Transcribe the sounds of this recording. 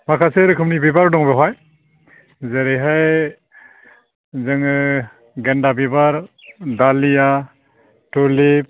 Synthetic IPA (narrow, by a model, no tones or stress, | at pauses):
makʰaseɾɯkʰɯmnibibaɾdɔŋbɯɦɔj | zeɾejɦaj | zɯŋɯ | ɡendabibaɾdalija | tulip̚